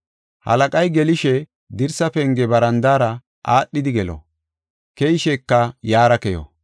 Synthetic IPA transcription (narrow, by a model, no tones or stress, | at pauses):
hɐ̰lɐkʼɐjɡɛlɪʃɛ | d̪ɪɾsɐpɛŋɡɛbɐɾɐnd̪aːɾɐ | ʔaːɗːɪd̪ɪɡɛlo̰ | kɛjɪʃɛkːɐjaːɾɐkɛjɔ̰